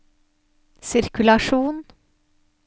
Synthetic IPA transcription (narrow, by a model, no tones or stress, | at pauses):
sɪɾkʉlɑʃuːn